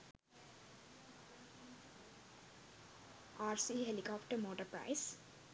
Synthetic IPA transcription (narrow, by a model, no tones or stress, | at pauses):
aːɾsiːɦɛ̃nɖikɔːpʈəɾmoːʈəɾpɾa̰ɪs